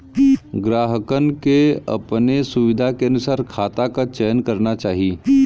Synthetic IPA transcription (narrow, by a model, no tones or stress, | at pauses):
ɡɾaːɦəkənkeɐ̰pnesʊʋɪd̪ʱakeɐnʊsaːɾkʰaːt̪akat͡ʃɛːjənkɐɾnat͡ʃaːɦi